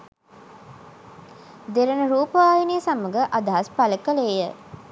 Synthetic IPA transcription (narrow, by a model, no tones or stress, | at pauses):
d̪eɾənəɾuːpəʋaːjineːsaməɡəʔɐd̪ɐɦɐspɐləkəleːjə